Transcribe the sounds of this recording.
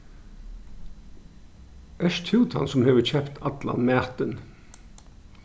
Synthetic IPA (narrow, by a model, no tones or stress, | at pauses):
ʔœʃt̪ʰhʉːt̪hɑ̰nsʊmheːʋəçɛpt̪ʰɑt̪lɑ̰nmæːt̪ən